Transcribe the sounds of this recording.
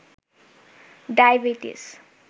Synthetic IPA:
ɖajbiʈḭs

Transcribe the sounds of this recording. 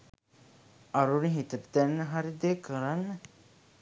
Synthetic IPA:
aɾuniɦit̪ətə̥d̪ænːəɦaɾid̪eːkəɾanːə

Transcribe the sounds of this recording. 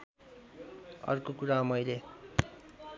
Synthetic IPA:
ʌ̰rkokuɾamʌjle

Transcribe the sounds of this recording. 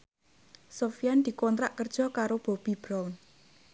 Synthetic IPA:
sofijand̪̥i̤kɔnt̪ɾaʔkərd̥ʒ̥ɔ̤kaɾob̥ɔ̤b̥i̤b̥ɾawn

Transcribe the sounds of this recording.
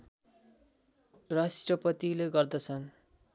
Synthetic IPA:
rasʈrʌpʌt̪ileɡʌrd̪ʌt͡sʰʌn

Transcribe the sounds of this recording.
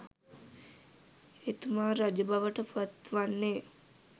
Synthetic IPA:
et̪umaːɾad͡ʒəbaʋəʈəpat̪ʋanːeː

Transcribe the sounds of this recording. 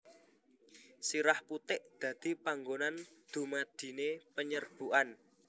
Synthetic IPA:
siɾahput̪ɪʔd̪̥ä̤d̪̥i̤paŋɡonand̪̥ṳmad̪̥i̤nepəɲərb̥ṳʔan

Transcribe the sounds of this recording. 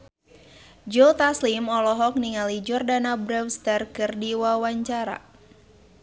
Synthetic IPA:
d͡ʒot̪aslimɔlɔɦɔk̚niŋalid͡ʒɔrdanabɾɛwst̪ɛrkɨrdiwawaɲt͡ʃaɾa̰

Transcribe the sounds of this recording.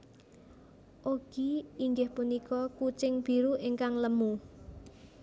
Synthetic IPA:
ʔoɡ̥iiŋɡɪhpunikɔkut͡ʃɪŋb̥i̤ɾuʔɪŋkaŋləmu

